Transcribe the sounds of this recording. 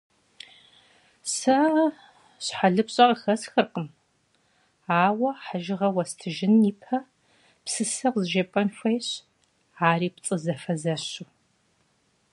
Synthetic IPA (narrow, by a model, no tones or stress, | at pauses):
sɐ | ɕħaɮɨpɕʼɐqəxɐsxɨrqəm | aːwɐħaʒɪʁɐwɐstʰɨʒɪniːpʰɐ | psɨsɐqzɨʒɐpʼɐnxʷɐjɕ | aːriːp̚t͡sʼɨzɐfɐzɐɕu